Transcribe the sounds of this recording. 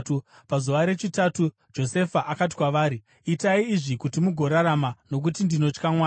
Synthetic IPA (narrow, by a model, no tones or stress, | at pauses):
u | pazuʋaɾe̞t͡ʃitaːtu | d͡ʒo̞se̞faʔakat̬i̥kwaʋaːɾi | itaiːʐikutimuɡʱo̞ɾaɾamano̞k̬utindino̞t͡ʃkamwaː